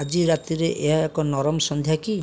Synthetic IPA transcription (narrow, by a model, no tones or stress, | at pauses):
ad͡ʒiɾat̪iɾeʔeɦaekɔnɔɾɔmɔsɔnd̪ʱjaki